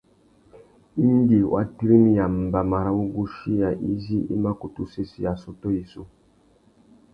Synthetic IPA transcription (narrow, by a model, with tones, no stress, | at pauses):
i˦n˦ɡi˨wʔa̰˦ti˦ɾi˦mi˦ja˨m̩˨ba˨ma˨ɾa˦wu˦ɡu˦ʃi˦ja˨ʔi˦zi˦ḭ˦ma˦ku˨tu˦se˦si˦ja˨sɔ˦to˦i˨su˦